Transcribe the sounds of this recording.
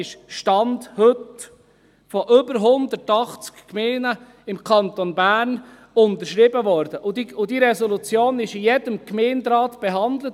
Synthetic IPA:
ɪʃʃtɑndhɵt | fɔʔʏbəɾɦʊndətɑχt͡skkmeːnə | ɪmkʰɑnt̪onbæːɾn | ʊnt̪əʃɾɪbəvɔɾdəʔʊdiʊdiɾɛsɔlut͡sjoːnɪʃɪjɛdəmkmeːndɾɑːtb̥ɛɦɑnd̪lət

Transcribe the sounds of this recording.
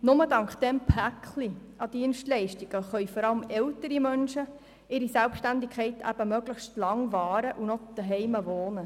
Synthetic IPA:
nʊmədɑŋkχd̥ɛmpʰækχli | ɑd̥iənʃtlɛɪʃtiɡ̥əχœʏfɔɾɑləmɛltəɾimœnʃə | ɪɾisælpʃtændikʰχɛɪtʰæ̰b̥əmøɡ̥ləχʃtlɑŋvɑːɾəʔunɔd̪̥əɦɛɪməʋoːnə

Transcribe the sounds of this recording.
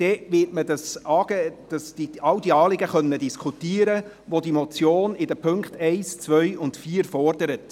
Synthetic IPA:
d̥ɛʋɪtmədɑsɑːɡ̥ed̥ɑsd̥iɑwdiɑːlɪɡəχœnːədiskʰutiːəɾə | ʋodimɔt͡sjoːnɪdəpʰɵŋkχtɛɪst͡sʋœʏʊntfiːɾfɔrd̥əɾət

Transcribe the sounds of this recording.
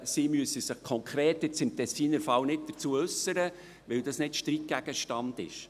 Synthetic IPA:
simyəsəsəχkʰɔŋkʰɾeːtːɪt͡sɪmtʰɛsiːnəɾfɑlnɪt̚d̥əɾt͡suəʉsəɾə | ʋɪldɑsnɪtʃtɾik̚ɡ̥æɡ̥əʃtɑndɪ̰ʃ

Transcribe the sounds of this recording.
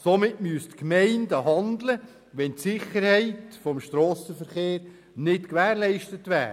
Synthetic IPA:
somɪtmyəstkmɛɪndəɦɑnd̪lə | ʋɛntsɪχəɾhɛɪtfɔmʃtɾɔːsəfəɾχeːɾ | nɪtkʋæːɾlɛɪʃtətʋæ̰ː

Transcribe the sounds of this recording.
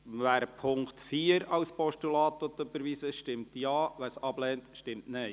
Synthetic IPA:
ʋæːɾpʰʊŋktfiːəɾɑlspɔʃtulɑːt̪ɔt̪ːøbəɾʋiːsɪʃtɪmtjɑːʋæːɾsɑblɛːntʃtɪmtneɪ

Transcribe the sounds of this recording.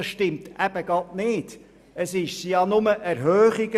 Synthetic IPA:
sʃtɪmtæb̥əɡ̥ɑtnɪːd̥ | əsɪʃsijɑnʊməʔæɾɦøːχiɡ̥ə

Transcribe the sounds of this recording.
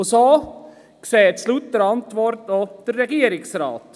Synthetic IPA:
ʊso | kseːt͡slutdəɾɑntʋɔɾtod̥əɾːɛɡiːəɾɪksɾɑ̰ːt

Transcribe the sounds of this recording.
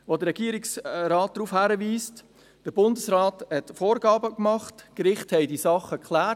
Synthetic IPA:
ʋodəɾɛɡ̥iəɾɪksɾɑːt̚d̥ɾuːfhæːɾəviːst | d̥əɾbʊndəsɾɑːthɛtfoːɾɡɑːbəkmɑχtkɾɪχthɛɪdisɑχːəkʰlæː

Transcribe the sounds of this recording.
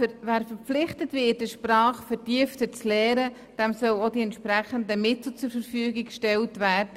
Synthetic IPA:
əvæːɾfəɾp͡flɪχtətvɪːt̚dəʃprɑːχfəɾtiəftət͡slɛːɾə | d̥ɛmsœlodiɛntʃpɾæχəndəmɪtl̩t͡sʊɾfəɾfyəɡikʃtɛltvæːɾd̥ə

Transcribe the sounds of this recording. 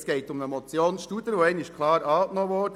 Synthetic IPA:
sɡ̥ɛɪtʊməmɔt͡sjoːnʃtud̪əɾʋoɛɪnɪʃkʰlˠɑːɾɑːknɔːʋɔdə

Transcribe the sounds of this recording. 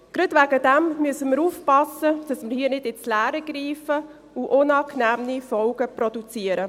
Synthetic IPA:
ɡ̥ɾɑdvæɡədɛmmyəsəməɾuːfpɑsəd̥ɑsməɾhiːənɪdɪnslæːɾəɡ̥ɾiːfə | uʔʊnɑːknæːmnifɔlɡ̥əprodut͡siəɾə

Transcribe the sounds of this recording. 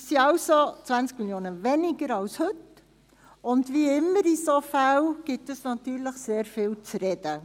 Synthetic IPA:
siɑʊsot͡sʋænt͡skmiljoːnəvɛnɪɡəɾɑlshɵt | ʊndviːɪmːəɾisofalɡ̥ɪtəsnɑtyːɾləχseːɾfɪːlt͡sɾɛd̥ə

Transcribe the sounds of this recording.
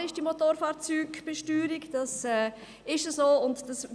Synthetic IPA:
ɪʃd̥imotoːɾfɑːɾt͡syːɡb̥ɛʃtyːɾikd̥ɑsɛː | ɪʃəsoːʊntd̥ɑs

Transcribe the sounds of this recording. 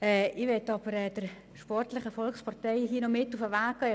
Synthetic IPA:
ɛɪʋetɑbəɾɛːd̥ər | ʃpɔrtləχəfɔlkspɑrtɛɪhiːnomɪtufəʋaːkːɑ

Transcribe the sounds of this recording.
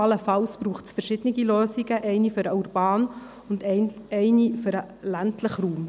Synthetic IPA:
ɑləfɑlsb̥ɾuːχtsfɛɾʃɪd̥ənɪɡiløːsiɡəʔɛɪnifʏɾəuɾbɑːn | ʊndɛɪnifʏɾə | læntʰləχɾuːm

